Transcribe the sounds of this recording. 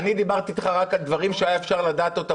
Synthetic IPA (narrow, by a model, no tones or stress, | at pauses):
anid̪ibaʁt̪iːt̪χaʁakald̪vaʁimʃeaefʃaʁlad̪aːt̪o̞t̪a